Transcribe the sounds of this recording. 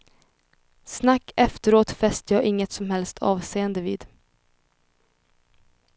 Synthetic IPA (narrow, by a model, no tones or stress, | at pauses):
snakːɛft̪əɾoːt̪fɛst̪əjɑːʔɪŋːət̪sɔmhɛlst̪ʰɑ̰ːvseːənd̪əvḭːd̪